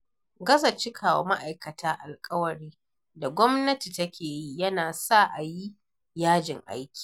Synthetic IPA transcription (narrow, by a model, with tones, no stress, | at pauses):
ɡɐ˦zɐ˨t͡ʃɪ˦kʰaː˨wo̰˦ma˦ʔa˨jkɐ˨tʰaː˦ʔa˨lkʼɐ˦wɐ˨ɽiː˦ | da˨ɡʷɔ˦mnɐ˦ti˨tɐ˦kʲʰeː˨ji˦jɐ˦naː˨sa˦˨ʔa˨ji˦ | jaː˦d͡ʒɪ˨ŋʔa̰˦jkʲi̥ː˨